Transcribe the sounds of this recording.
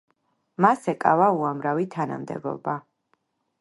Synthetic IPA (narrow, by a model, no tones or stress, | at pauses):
masɛkʼa̰vauamɾavit̪ʰana̰md̪ɛ̰bɔ̰ba